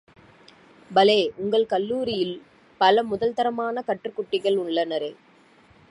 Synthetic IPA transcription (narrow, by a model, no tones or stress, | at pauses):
bɐleːʔʊŋɡɐɭkɐlːuːɾɪjɪl | pɐlɐmʊðɐlt̪ɐɾɐmaːnɐkɐʈrɯkːʊʈːɪɣɐɭʊɭːɐnɐɾeː